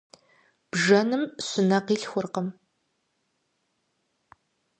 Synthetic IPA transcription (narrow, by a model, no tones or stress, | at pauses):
b̥ʒɐnɨmɕʊnɐqiːɬxʷʊrqəm